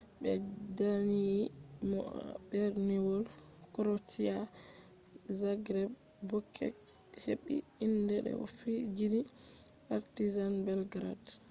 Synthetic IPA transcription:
ɓɛdanii | mɔb̥ɛɾniwɔl | kɾotʰia | zaɡɾɛb | bɔkʰːɛ̰ | heɓːḭ | indɛɗɛ̰fid͡ʒidi | paɾtizanbɛlɡɾa̰d

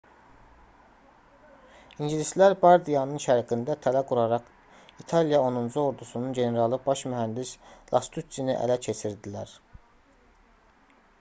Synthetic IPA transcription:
inɟilislæɾbɑɾd̪ijɑnɯnʃæɾɡind̪æt̪ʰælæɡuɾɑɾɑχ | it̪ʰɑlijɑonund͡ʒuo̞ɾd̪usununɟe̞ne̞ɾɑlˠɯbɑʃmyɦænd̪islʔɑ̰st̪ʰusiniʔæ̰læcʰe̞t͡ʃʰiɾd̪ilæɾ

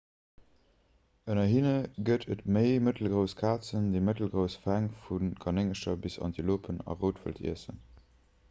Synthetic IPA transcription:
ənɐɦinəɡətʰətməɪmətl̩ɡʁəʊskʰaːt͡səndeɪmətəl̩ɡʁəʊsfæŋfunkʰɑneŋəʃɐbisɑ̰ntiloːpʰənɑ̰ʁoːtvə̰ltʰḭəsə̰n

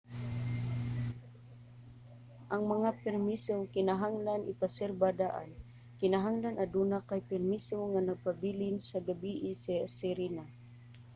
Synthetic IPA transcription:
ʔaŋmaŋapɛrmisokɪnaɦaŋlanʔɪpasɛrbadaʔa̰n | kɪnaɦaŋlanad̪unakajpɛrmisoŋanaɡ̚pabilɪnsaɡabiʔɪsɛsɛɾina

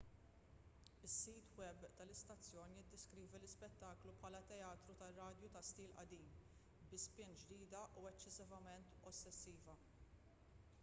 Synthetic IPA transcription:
ɪsːiːt̪wɛbt̪ɐlɪst̪ɐt͡sːjɔːnijɪd̪ːɛskɾiːvɛlɪspɛt̪ːɐːklupħɐːlɐt̪ɛjɐːt̪ɾut̪ɐrːɐːd̪jut̪ɐst̪iːlʔɐd̪iːm | bɪspɪnd͡ʒd̪iːd̪ɐʔuɛt͡ʃːɪsɪvɐmɛnt̪ɔsːɛsːiːvɐ

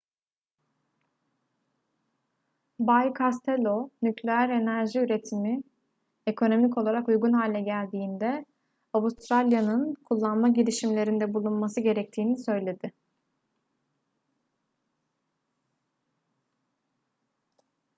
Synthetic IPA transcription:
bajkʰast̪ʰelʲo̞nyclʲejæɾe̞næɾʒiyɾe̞t̪ʰimi | ekʰo̞no̞mico̞lˠaɾakujɡunɦaːlʲɛɟælʲd̪iːnd̪ɛ | awust̪ɾalʲjanɯnkʰulˠːanmaɟiɾiʃimlʲe̞ɾind̪ɛbulˠunmasɯɟe̞ɾɛc̚t̪ʰiːnisø̞jlʲe̞d̪ɪ

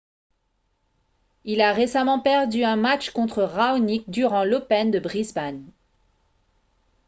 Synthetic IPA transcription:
ilaʁesamɑ̃pɛʁd̪yɛ̃mat͡ʃkɔ̃t̪χəʁaonik̚d̪yʁɑ̃lɔpɛnd̪əbʁizban

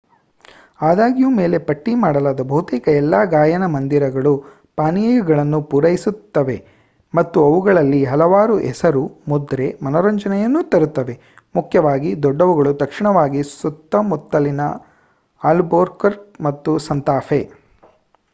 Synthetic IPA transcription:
aːd̪aːɡijume̞ːle̞pɐʈːimaːɽɐlaːd̪ɐbɐɦut̪iːkɐɛlːaːɡaːjɐnɐmɐnd̪iɾɐɡɐɭu | paːnijɐɡɐɭɐnːupuɾɐjisut̪ːɐʋe̞ | mɐt̪ːuɐʋuɡɐɭɐlːiɦɐlɐʋaːɾuʔɛsɐɾumud̪ɾe̞mɐnɐɾɐɲd͡ʒɐnɛjɐnːut̪ɐɾut̪ːɐʋe̞ | mukʰjɐʋaːɡid̪ɔɖːɐʋuɡɐɭut̪ɐkʂiɳɐʋaːɡisut̪ːɐmut̪ːɐlinɐ̰ | aːlboːɾkɐɾmɐt̪ːusɐnt̪aːfʰe

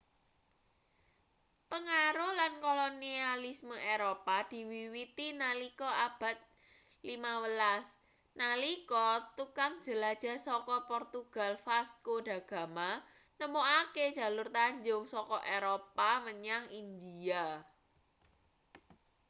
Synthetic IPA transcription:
pəŋaɾʊhlankolonialisməʔeɾopad̪̥i̤wiwit̪inalikɔab̥a̤t̪̚ | limawəlas | nalikɔt̪ukaŋd̥d͡ʒ̥ə̤lad̥ʒ̥a̤sɔkɔpɔrt̪uɡ̥a̤lfaskoɖ̥ä̤ɡ̥ä̤ma | nəmoake̥ʒ̥ä̤lʊrt̪aɲd͡ʒʊŋsɔkɔʔeɾopaməɲaŋind̪ia

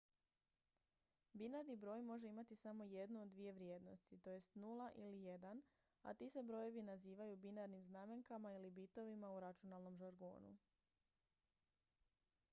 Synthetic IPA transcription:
binaɾnibɾo̞ːjmo̞ʒe̞imat̪isamo̞je̞d̪nuod̪ːʋije̞ʋɾje̞ːd̪no̞st̪it̪o̞je̞st̪nulˠaʔilije̞d̪an | a̰t̪ise̞bɾo̞je̞ʋinaziːʋajubinaɾnimznaːme̞ŋkamailibit̪o̞ʋimauɾat͡ʃunalˠno̞mʒaɾɡo̞̰ːnṵ

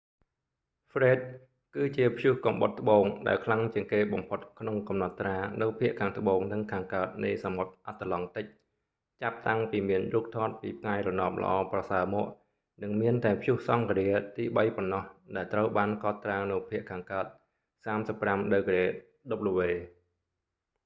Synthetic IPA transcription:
frɛːt̪̚ | kɨːt͡ɕiəpʰjuhkɑmɓot̪ːə̆ɓoːŋɗa̰ɛlkʰlaŋt͡ɕiəŋkeːɓɑmpʰot̪̚kʰnoŋkɑmnɑt̪ːraːnɨwpʰiəʔkʰaːŋt̪ə̆ɓoːŋnɨŋkʰaːŋkaət̪̚nɨjsamot̪̚ʔat̪ʰːalɑŋt̪ɨc̚ | t͡ɕap̚t̪aŋpiːmiənruːp̚t̪ʰɑːt̪̚piːp̚ʰŋaɛjrɔnɑːp̚lə̰̆ʔɑ̰ːprɑsaəmɔːəʔ | nɨŋmiənt̪aɛpʰjuhsɑŋkriət̪iːɓəjponːɑhɗaɛlt̪rəwɓaːnkɑt̪ːraːnɨwpʰiəʔkʰaːŋkaət̪̚ | saːmsəpːramɗɨwkrɛː | ɗop̚lɔʋeː

